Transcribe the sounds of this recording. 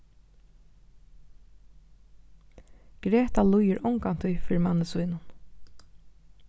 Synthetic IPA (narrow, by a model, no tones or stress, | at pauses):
ɡ̥ɾɛːt̪alujɪɹʔɔŋkan̥t̪ʰʊjfɪːɾɪmanːəsujnʊn